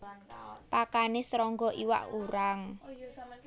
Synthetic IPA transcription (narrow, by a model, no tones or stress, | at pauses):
pakanɪsɾɔŋɡɔʔiwa̰ʔuɾaŋ